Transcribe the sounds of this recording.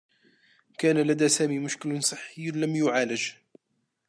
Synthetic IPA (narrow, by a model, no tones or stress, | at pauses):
kæːnalad̪aːsaːmiːmʊʃkɪlnsˤɨħːəjːlamjʊʕaːlad͡ʒ